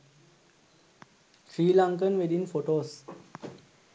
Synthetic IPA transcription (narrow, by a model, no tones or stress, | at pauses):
sɾiːlãŋkə̃nʋeɖĩnfoʈoːs